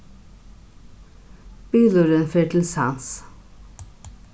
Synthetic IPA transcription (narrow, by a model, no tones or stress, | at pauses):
b̥yːluːɾənfeːʈʰl̩sɑns